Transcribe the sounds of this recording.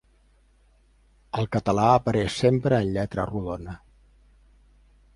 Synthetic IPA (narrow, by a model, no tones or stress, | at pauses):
əlˠkət̪əlaəpəɾɛʃsempɾəːnʎɛt̪ɾə̰ruðonə